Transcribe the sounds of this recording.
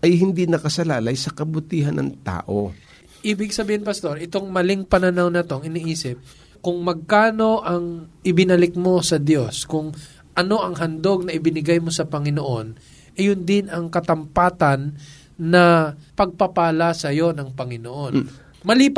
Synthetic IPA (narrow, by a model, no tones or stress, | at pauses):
ʔɐjɦɪnd̪inɐkɐsɐlaːlɐjsɐkɐbʊt̪iːɦɐnʔɐ̰ŋt̪a̰ːʔo | ʔiːbɪɡ̚sɐbiːhɪnpɐst̪o̞ɾɪt̪o̞ŋmɐlɪŋpɐnɐnawnɐt̪o̞ɐŋɪniʔiːsɪp̚ | kʊŋmɐɡ̚kaːno̞ʔɐŋʔɪbɪnɐlɪk̚mo̞sɐd̪jo̞skʊŋ | ʔɐno̞ʔɐŋɦɐnd̪o̞ɡ̚nɐʔɪbɪnɪɡajmo̞sɐpɐŋɪno̞ʔo̞n | ʔɛjʊnd̪ɪnɐŋkɐt̪ɐmpaːt̪ɐnː | ɐpɐɡ̚pɐpaːlɐsɐjo̞nɐŋpɐŋɪnoʔo̞n | mɐlip